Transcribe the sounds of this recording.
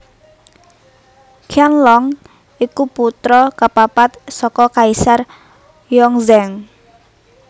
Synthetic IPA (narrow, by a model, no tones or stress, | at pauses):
kʰjanlɔŋ | ikuput̪ɾɔkapapat̪̚sɔkɔkaisar | jɔŋzɛŋ